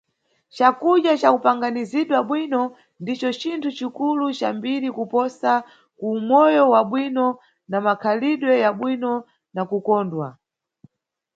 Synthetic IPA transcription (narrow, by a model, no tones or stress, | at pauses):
t͡ʃakuɗjat͡ʃakupaŋɡaniziɗwaɓwinɔ | ndit͡ʃɔt͡ʃintʰut͡ʃikulut͡ʃambiɾikupɔsa | kuːmɔjɔwaɓwinɔ | namakʰaliɗwɛjaɓwinɔ | nakukɔːndwa